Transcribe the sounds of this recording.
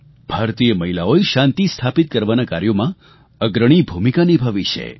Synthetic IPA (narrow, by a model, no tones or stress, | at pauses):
b̥ʱaɾt̪ijəməɦilaoeʃãnt̪ist̪ʰapit̪̚kəɾʋanakaɾjomã | əɡɾəɽ̃ibʱumikanibʱaʋit͡ʃʰḛ